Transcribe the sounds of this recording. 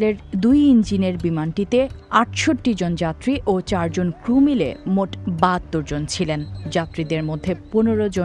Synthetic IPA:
leɾd̪ujind͡ʑineɾbimanʈit̪eaʈʃoʈːid͡ʑond͡ʑat̪ːɾiʔot͡ɕaɾd͡ʑonkɾumilḛmoʈbat̪ːoɾd͡ʑont͡ɕʰilend͡ʑat̪ːɾid̪eɾmod̪ʱːeponeɾod͡ʑo

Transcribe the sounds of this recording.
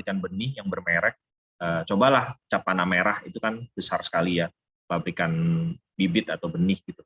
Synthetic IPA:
ikanbənɪhjaŋbərmeɾɛk̚ | ət͡ʃobalaht͡ʃapanameɾahit̪ukanb̥əsarsə̥kalija | labɾikanbibɪt̪at̪awbənɪhɡit̪u

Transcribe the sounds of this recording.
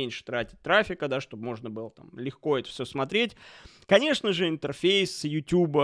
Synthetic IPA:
enʲʂɨ̥t̪ɾatʲɪ̥t̚ʲt̪ɾafʲɪkəd̪aʂt̪o̞b̚mo̞ʐnəbɨlˠət̪a̰mlʲɪxko̞ɛt̪ə̥fsʲɵsmɐt̪ɾʲetʲ | kɐnʲe̞ʂnəʐɨɪnt̪ərfʲejsjʊtʲubə

